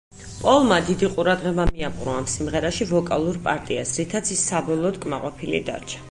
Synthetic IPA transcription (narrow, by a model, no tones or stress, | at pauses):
pʼɔlˠmad̪id̪iqʼuɾad̪ʁɛbamiapʼɾɔamsimʁɛɾaʃivɔkʼalˠuɾpʼaɾt̪ʼiasɾit̪ʰat̪sʰisːabɔlˠɔːd̪kʼmaqʼɔpʰilḭd̪a̰ɾt͡ʃʰḁ